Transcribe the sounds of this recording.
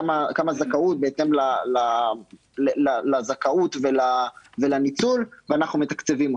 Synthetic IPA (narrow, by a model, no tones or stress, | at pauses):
amakamazakaut̪̚beet̪e̞mlala | lelalazakaut̪velavelanit͡sulveanaχnumet̪ḁkt͡sevim